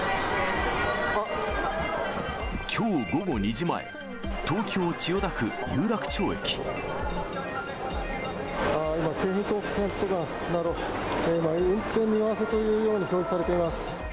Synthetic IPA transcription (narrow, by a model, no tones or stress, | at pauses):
a | kʲʰo̞ːɡo̞ɡo̞ɲ̟iʑima̰ḛ | t̪o̞ːkʲo̞ːt͡ɕijo̞d̪akɯ̟jɯːɾakɯ̥t͡ɕo̞ːḛkʲi̥ | aːimakʰeːɦĩnt̪oːkɯ̥sẽnt̪oɡã | naɾo | eimaɯ̟̃nt̪ẽ̞mːʲinaβaset̪o̞jɯ̟ːjo̞ːɲ̟iço̞ːd͡ʑisaɾe̞t̪e̞imasɨ̥